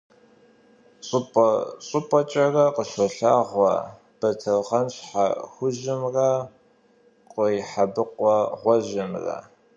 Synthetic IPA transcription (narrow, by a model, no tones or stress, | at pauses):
ɕʼʊpʼɕʼʊpʼɔt͡ʃʼɐrɐqəʃɔɬaːʁʷɐ̰ | b̥ɐtʰɐwʁɐnɕħa̰xʷʊʑɪmrɐ | qʼəjħabɨqʷʼɔʁʷɔʒɪmrɐ̰